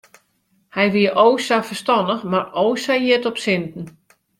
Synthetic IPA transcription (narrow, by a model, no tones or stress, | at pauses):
hɛjʋiəʔowsafərstɔndəxmarowsajiətɔpsɪntn̩